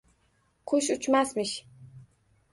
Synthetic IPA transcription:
qʰoʃut͡ʃmasmɨʃ

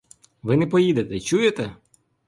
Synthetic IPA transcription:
ʋɪnɛpɔjid̪et̪ɛt͡ʃujet̪ɛ

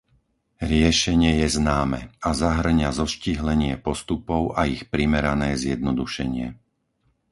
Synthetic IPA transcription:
ɾɪɛʃɛɲɪɛjɛznaːmɛ̰azaɦr̩ɲazɔʃciɦlɛɲɪɛpɔst̪upɔʊʔaixpɾimɛɾanɛːzjɛd̪nɔd̪uʃɛɲɪɛ

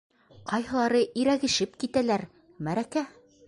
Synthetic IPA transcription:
qɑjɦɤ̆lˠɑɾɤʔiɾæɡɘ̆ʃɘpkit̪ælæɾ | mæɾækæ

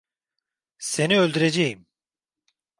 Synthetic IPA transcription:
se̞niølʲd̪yɾed͡ʒejim

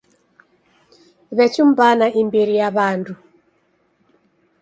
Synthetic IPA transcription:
βɛt͡ʃum̩banaʔimbiɾijaβandu

